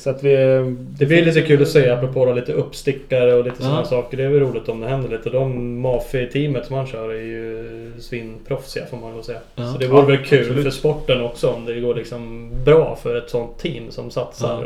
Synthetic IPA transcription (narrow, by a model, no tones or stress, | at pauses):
sɔat̪ʋɪd̪ɛblɪɾliːt̪ːəkʰʉːlɔseːapːɾɔpʰoːd̪ɔliːt̪əɵpːst̪ɪkːaɾəɔliːt̪əsɔnhæːʂɑːkəɖɛæɾvɛlɾuːlɪt̪ɔmd̪ɛɦɛnd̪əɭiːt̪əd̪ɔmːɑːfɪt̪ʰiːmət̪sɔmhanɕœːɾɛɾjɵ | sviːnpʰɾɔfsɪa̰foːɾmand̪oːsɛːasɔd̪ɛvuːɾəvɛlkʰʉ̟ːlfœʂpɔʈːənɔksɔɔmd̪ɛɡoːɭɪksɔmbɾɑːfœɾɛt̪sɔnt̪ʰːiːmsɔmsat̪sa̰ɾ